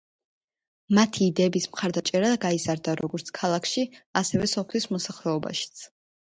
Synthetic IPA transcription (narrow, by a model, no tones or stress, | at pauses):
mat̪ʰiːd̪ɛːbismχaɾd̪at͡ʃʼɛɾaɡaizaɾd̪aɾɔɡɔɾt̪sʰkʰalˠakʰʃiasɛvɛsɔpʰlismɔsaχlɛɔba̰ʃi̥t̪sʰ